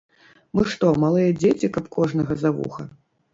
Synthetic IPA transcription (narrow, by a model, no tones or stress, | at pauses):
mɨʂt̪ɔmalˠɨjɐd͡zʲet͡sʲikɐpkɔʐnɐɣɐzavṵxɐ